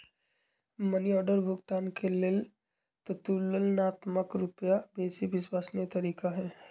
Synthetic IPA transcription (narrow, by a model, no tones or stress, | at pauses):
mɐniɔːɖəɾbʱʊɡt̪aːnkʰelɪl | t̪ɐt̪uːləlnaːt̪məkɾʊpjabeːsibɪswaːsnet̪ɐɾiːkaɦɛː